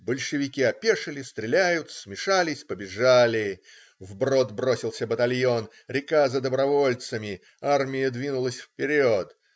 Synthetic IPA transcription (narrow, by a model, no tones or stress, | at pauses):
bəlʲʂɨvʲɪkʲiɐpʲeʂɨlʲɪst̪ɾʲɪlʲæjʊt̪smʲɪʂalʲɪsʲpəbʲɪʐalʲɪ | vbro̞t̪bɾo̞sʲɪlˠsʲəbət̪ɐlʲjo̞n | ɾʲɪkazəd̪əbɾɐvo̞lʲt̪səmʲɪ | armʲɪjəd̪vʲinʊlˠəsʲfpʲɪɾʲot̪